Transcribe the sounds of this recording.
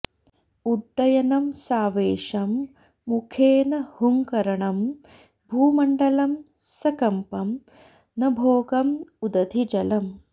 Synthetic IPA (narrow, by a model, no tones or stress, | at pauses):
uɖːɐjɐnɐmsaːʋeːʂɐmː | ukʰeːnɐhuŋkɐɾɐɳɐm | bʱuːmɐɳɖɐlɐm | sɐkɐmpɐm | nɐbʱoːɡɐmud̪ɐd̪ʱid͡ʒɐlɐm